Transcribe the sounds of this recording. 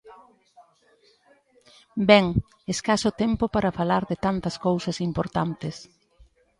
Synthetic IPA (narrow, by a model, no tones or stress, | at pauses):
bɛŋ | eskasʊt̪ɛmpʊpaɾɐfalaɾðɪt̪ant̪ɐskowsɐsimpoɾt̪ant̪ɪs